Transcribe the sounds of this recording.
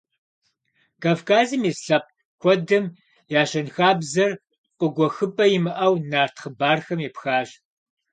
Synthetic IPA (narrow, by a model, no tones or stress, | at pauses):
kaːvkʰaːzɨmisɬɐp̚ | kʷɔdɨm | jaːɕɐnxaːbzɐr | qʷʼəɡʷɔxɨpʼɐjɪmɨʔɐwnaːrtʰχəbaːrxɐmjipxaːɕ